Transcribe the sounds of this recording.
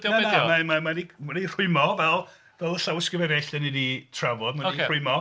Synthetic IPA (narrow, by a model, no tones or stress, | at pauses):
d̥naɛnaɔmamamadimaɾir̥ʊɨmɔvɛlˠ | vɛlˠəɬawəskəvɛvɛɬd̥ɛniditʰravɔdmaieʊɨmɔ